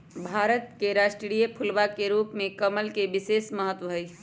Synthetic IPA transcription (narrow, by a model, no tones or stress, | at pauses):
bʱaːɾət̪keɾasʈɾɽijepʰulʋakeɾupmekəməlkebisesməɦət̪ʋəɦə